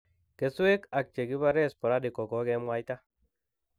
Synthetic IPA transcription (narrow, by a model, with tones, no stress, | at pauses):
ke˨su˦e˦ka˨k̚t͡ʃe˨ɡi˦βa˦ɾe˦spo˨ɾa˦di˨ko˨ko˦ke˦mwa˦jt̪a˦